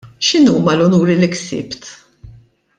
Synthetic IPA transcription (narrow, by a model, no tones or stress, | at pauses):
ʃɪnuːmɐlɔnuːɾilɪksɪ̰ːpt̪